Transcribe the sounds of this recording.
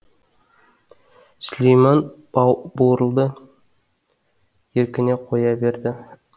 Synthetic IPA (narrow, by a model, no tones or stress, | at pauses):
slʲejmɑn | boɾəlˠd̪ə | jeɾkʲɪne̞qʰojɑbe̞ɾd̪ɪ